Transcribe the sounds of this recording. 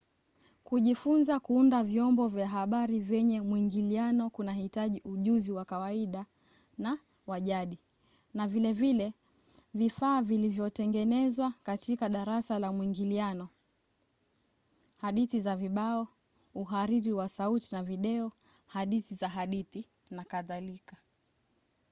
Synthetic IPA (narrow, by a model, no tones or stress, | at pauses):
kuʄifunzakuundavjɔmbɔvjaɦaɓaɾivjɛɲɛmwiŋɡilianɔkunahitaʄiʔuʄuziwakawaiɗa | na | waʄaɗi | navilɛvilɛ | vifaːvilivjɔtɛŋɡɛnɛzwakatikaɗaɾasalamwiŋɡilianɔ | haɗiθizaviɓaɔ | uɦaɾiɾiwasautinaviɗɛɔ | haɗiθizaɦaɗiθi | nakaðalika